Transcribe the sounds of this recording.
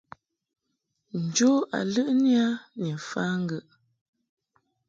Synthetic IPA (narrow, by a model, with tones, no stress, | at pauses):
n̩˨d͡ʒo˦a̰˨lə˦ʔnja˦ni˨fa˦ŋ̩˦ɡə˦˨ʔ